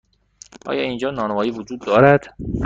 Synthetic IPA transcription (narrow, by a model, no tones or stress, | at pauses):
ʔɒ̰ːjɒːind͡ʒɒːnɒːnevɒːjiːvod͡ʒuːd̪ːɒːɾæd̪̥